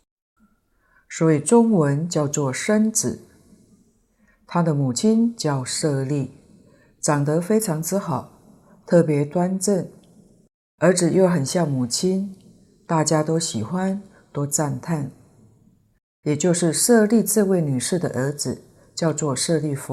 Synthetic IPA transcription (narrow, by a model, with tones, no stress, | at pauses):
swɔ˧˦˥i˨˩ʈ͡ʂʊ˥ŋwə˧˦˥nt͡ɕjɑ˥˧ʊt͡swɔ˥˩ʂə˥nt͡sɹ̩˨˩˦ | t̪ʰa˥d̪ə˨mu˨˩t͡ɕʰi˥nt͡ɕjɑ˥˧ʊʂɤ˥˧li˥˩ | ʈ͡ʂɑ˨˩ŋt̪ɤ˧˥fe˥ɪʈ͡ʂʰɑ˧˥ŋt͡sɹ̩˥xɑ˨˩˦ʊ | t̪ʰɤ˥˩pjɛ˧˥t̪wa˥nʈ͡ʂə˥˩n | ə˞˧˥t͡sɻ̩˨˩jo˥˩ʊxə˨˩nɕjɑ˥˩ŋmu˨˩t͡ɕʰi˥n | t̪a˥˩t͡ɕja˥t̪o˥ʊɕi˨˩xwa˦n | t̪o˥ʊt͡sa˥˧nt̪ʰa˥˩n | jɛ˨˩t͡ɕjo˥˧ʊʂɻ̩˥˧ʂɤ˥˧li˥˧t͡sɹ̩˥˧we˥˩ɪny˨˩ʂɻ̩˥˩d̪ə̰˨ʔə˞˧˥d͡zɹ̩˨˩ | t͡ɕjɑ˥˧ʊt͡swɔ˥˧ʂɤ˥˧li˥˩f